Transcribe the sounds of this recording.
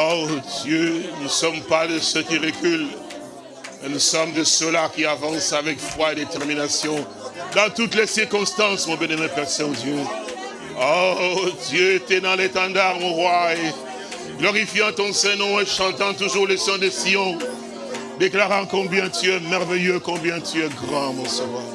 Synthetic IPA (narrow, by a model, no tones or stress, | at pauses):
od̪jønusɔmpad̪əsəkiʁekyl | mɛnusɔmd̪əsølakʲiavɑ̃savɛktwaed̪et̪ɛʁminasjɔ̃ | d̪ɑ̃t̪ut̪lesiʁkɔ̃st̪ɑ̃smɔ̃benɛmɛ̃pɛʁsɛ̃od̪jø | od̪jøet̪ɛd̪ɑ̃let̪ɑ̃d̪aʁmɔ̃ʁwae | ɡlɔʁifjɑ̃t̪ɔ̃sɛ̃nɔ̃eʃɑ̃t̪ɑ̃t̪uʒuʁlesɛ̃d̪esijɔ̃ | d̪eklaʁɑ̃kɔ̃bjɛ̃t̪yɛmɛʁvɛjøkɔ̃bjɛ̃t̪ʰyɛɡʁɑ̃mɔ̃sava